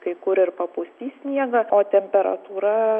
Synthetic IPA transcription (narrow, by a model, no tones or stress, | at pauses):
kɐɪkʊɾɪɾpɐpʊsʲt̪ʲiːsʲnʲiɛɡɐoːt̪ʲɛmʲpʲɛɾɐ̰t̪uːɾɐ